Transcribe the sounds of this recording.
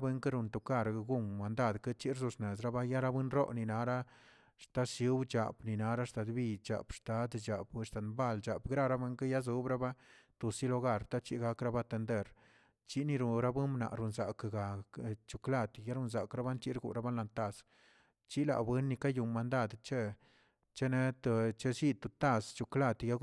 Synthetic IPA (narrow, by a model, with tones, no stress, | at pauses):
be˧˦ŋka˦ɾu˧nt̪u˨ka˦˧˨ɾɡu˦mːa˨nd̪a˦˧˨d̪ka˦t͡ʃi˦ɾsu˧sne˨s̬ɾa˦ba˦ja˦ɾa˦bʷwe˦nɾo̰˦ʔni˨na˨˦ɾa˦ | ʂt̪a˦sju˧˦wt͡ʃa̰˨pni˨na˧ɾa˦ʂt̪a˨d̪bi˧t͡ʃa̰˨pʂt̪a˨˦d̪d͡ʒa˨bst̪a˨nba˦˧˨ld͡ʒa˨pɡɾa˦ɾa˦bʷwe˧˦ŋka˦ja˦z̬u˦bɾa˦ba˦t̪u˨si˦lo˧ɡa˦ɾt̪a˦t͡ʃi˦ɡa˧kɾa˦ba˦t̪e˧nd̪e˦˨ɾ | t͡ʃi˦ni˧ɾu˧ɾa˦bu˦mna̰˨ɾu˨nza˨kɡa˨t͡ʃu˨kla˧t̪ja˦ɾu˧nz̬a˨kɾa˦ba˦nt͡ʃi˦ɾɡṵ˨ɾa˦ba˦nla˧nt̪a˦˧s | t͡ʃi˦la̰˨bwe˦nːi˧ka˦ju˨mːa˨nd̪a˦˨d̪t͡ʃe˦ | t͡ʃe˦ne˦t̪t͡ʃe˦si˦t̪u˨t̪a˧˨st͡ʃu˨kla˦˧t̪ja˦